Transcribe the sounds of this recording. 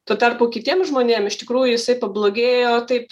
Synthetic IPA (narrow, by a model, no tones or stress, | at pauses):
t̪oːt̪ɐrpʊkʲɪt̪ʲiɛmʒmoːnʲeːmɪʃt̪ʲɪkɾuːjʊjɪsɐɪpɐblˠoːɡʲeːjoːt̪ɐɪp